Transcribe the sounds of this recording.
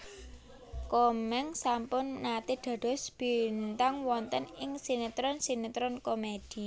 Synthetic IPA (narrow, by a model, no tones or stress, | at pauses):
komɛŋsampʊnːat̪id̪̥ä̤d̪̥ɔ̤sb̥i̤nt̪aŋwɔnt̪ənɪŋsinit̪ɾɔnsinet̪ɾɔnkomed̪̥i̤